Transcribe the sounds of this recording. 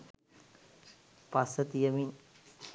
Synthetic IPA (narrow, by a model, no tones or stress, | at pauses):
pasət̪ijəmi